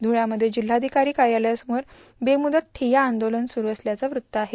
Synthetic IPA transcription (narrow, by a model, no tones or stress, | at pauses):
d̪ʱuɭjaməd̪ʱːjed͡ʑil̤ːad̪ʱikaɾiːkajaljasəmoɾ | bemud̪ət̪t̪ʰːijaːnd̪olənsuɾuəsljat͡saʋɾut̪ːəaɦe